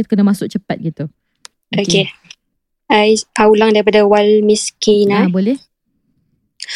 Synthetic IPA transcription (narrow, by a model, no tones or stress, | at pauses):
it̪u̥kənəmasʊk̚t͡ʃəpat̪̚ɡit̪u | oke | ajaulaŋdaɾip̬adawalmiskinabolɛ